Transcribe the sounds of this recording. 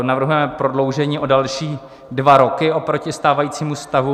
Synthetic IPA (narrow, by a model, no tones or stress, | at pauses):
navr̩ɦujɛmɛpɾodlo̞wʒɛɲiːʔo̞dalʃiː | dvaɾo̞kɪʔo̞pɾo̞cɪst̪aːvajiːt͡siːmust̪avu